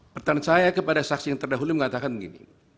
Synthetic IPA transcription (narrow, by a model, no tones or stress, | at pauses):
pərt̪ansajakəpadasaksijaŋt̪ərdaɦuluməŋat̪akanbəɡḭnḭ